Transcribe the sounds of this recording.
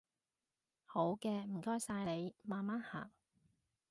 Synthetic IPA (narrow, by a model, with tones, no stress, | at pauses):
ho˨˥wkɛː˧m̩˨˩kɔː˥jsaː˧jle˨˧jmaː˨nmaː˦˥nha̰ː˨˩ŋ